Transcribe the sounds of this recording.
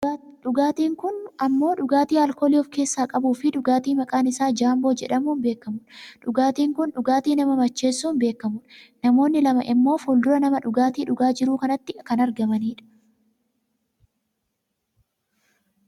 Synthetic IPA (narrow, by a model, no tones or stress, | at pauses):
ᶑʊɡaːt̪iːŋkʊnɐmːo̞ːᶑʊɡaːt̪iːɐlkoːlɪɔfke̞ːsːaːkʼɐbuːfɪᶑʊɡaːt̪iːmɐkʼaːnɪsaːd͡ʒaːmbo̞ːd͡ʒɛᶑɐmuːnbe̞ːkːɐmʊᶑᶑʊɡaːt̪iːŋkʊnᶑʊɡaːt̪iːnɐmɐmɐt͡ʃːe̞ːsːuːnbe̞ːkːɐmʊᶑnɐmo̞ːnːɪlɐmɐ̰ʔɪmːo̞ːfɔld̪ʊɾɐnɐmɐᶑʊɡaːt̪iːᶑʊɡaːd͡ʒɪɾuːkɐnɐt̪ːɪkɐnɐɾɡɐmɐniːᶑɐ̥